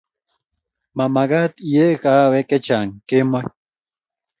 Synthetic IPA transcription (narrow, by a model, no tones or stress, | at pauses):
mamaɡat̪ijekaweket͡ʃaŋkema